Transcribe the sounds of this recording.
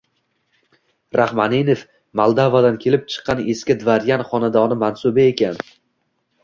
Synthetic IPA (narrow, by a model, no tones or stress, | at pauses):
ɾahmaninef | malˠd̪avad̪ankʲʰe̞lɪp̚t͡ʃʰɨ̥qʰːɑneskʲad̪vaɾjanχɒnad̪ɒnɪmansʊbɪekʲan